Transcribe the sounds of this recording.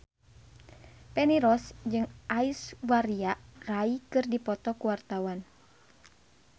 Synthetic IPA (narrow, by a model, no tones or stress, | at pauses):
pɛniɾɔsd͡ʒɨŋʔaiswaɾiaraikɨrdipɔt̪ɔkuwart̪awan